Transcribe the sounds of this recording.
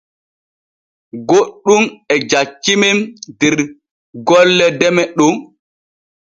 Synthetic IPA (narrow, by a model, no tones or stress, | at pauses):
ɡoɗːumɛd͡ʒakːimɛmdɛɾ | ɡɔlːɛdɛmɛɗum